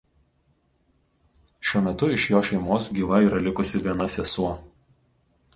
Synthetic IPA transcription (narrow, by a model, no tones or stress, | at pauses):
ʃʲuɔmʲɛt̪ʊɪʃjoːʃʲɛɪmoːsɡʲiːʋɐiːˑɾɐlʲɪkʊsʲɪʋʲiɛnɐsʲɛsuɔ